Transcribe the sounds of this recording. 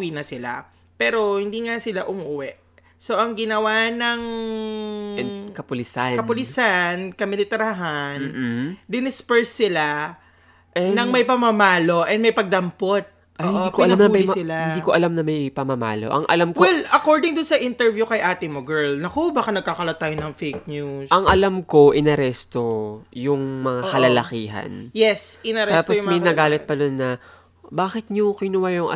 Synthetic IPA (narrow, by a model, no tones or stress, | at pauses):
inɐsɪla̰ | pɛːɾo̞hɪnd̪iːŋasɪlaʔʊmuʔʊwɛʔ | so̞ʔɐŋɡɪnɐwanɐŋ | kɐpʊlɪsakɐpʊlɪsankɐmɪlɪt̪ɛɾɐɦand̪ɪnɪspɛɹsːɪla | nɐŋmɐjpɐmɐmaːlo̞ʔɛnd̪mɐjpɐɡ̚d̪ɐmpot̪̚ | ʔoːʔokoɐlamnɐɐisɪlahɪniːkoʔɐlamnɐmɐjpɐmɐma̰ːlo̞̰ʔɐ̰ŋʔɐ̰lamkwɛlɐkoɹd̪ɪŋd̪ʊnsɐʔɪnt̪ɛɹvjukɐjʔaːt̪ɪŋmoɡɛɹlnɐkobakɐnɐɡ̚kaːkɐlot̪ːaːjonɐŋfejk̚ɲuʔɐŋʔɐlamko̞ʔɪnɐɾɛst̪ojʊŋmɐŋakɐlɐlɐkiːɦɐ̰njɛsɪnɐɾɛt̪ːaːtpojmmɐjnɐɡaːlɪt̪̚pɐd̪onːɐ | baːkɪt̪̚ɲʊkɪnʊwajʊŋʔɐ̰